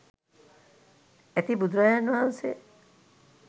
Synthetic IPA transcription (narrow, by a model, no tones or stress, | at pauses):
et̪ibud̪ɾɔjanuause